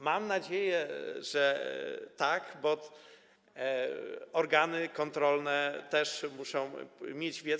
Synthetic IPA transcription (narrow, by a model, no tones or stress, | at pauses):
mamnad͡ʑejɛʐɛt̪akbɔ | ɔɾɡanɘkɔnt̪ɾɔlnɛt̪ɛʂmuʂɔ̃w̃mʲjed͡ʑvʲjɛ